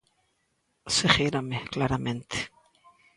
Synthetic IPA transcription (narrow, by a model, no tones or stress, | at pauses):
seɣeɾameklaɾamẽnt̪e̥